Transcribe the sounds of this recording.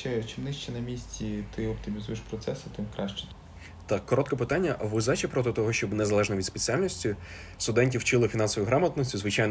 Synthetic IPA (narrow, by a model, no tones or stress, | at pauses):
t͡ʃɛt͡ʃɪmnɪʃt͡ʃɛnɐmʲisʲtʲit̪ɪɔp̚t̪ɪmʲizujɪʃpɾɔtsɛsɪt̪ɪmkɾaʃt͡ʃɛ̥ | t̪ɑkːɔɾɔt̪kɛpɪt̪anʲːɐʔʋʊzɛt͡ʃɛpɾɔt̪ɪt̪ɔɦɔʃt͡ʃɔbnezɐlˠɛʒnɐʋʲid̪spet͡sʲialʲnɔsʲtʲi | st̪ʊd̪ɛnʲtʲiwt͡ʃɪlˠɪfʲinɑnsɔʋɔjʊɦɾɑmɐt̪nɔsʲuzʋɪt͡ʃajn